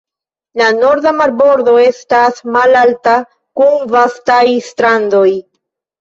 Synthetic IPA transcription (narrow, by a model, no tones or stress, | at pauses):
lano̞ɾd̪amaɾbo̞ɾdo̞e̞stasmalalta | kunvastajstɾando̞j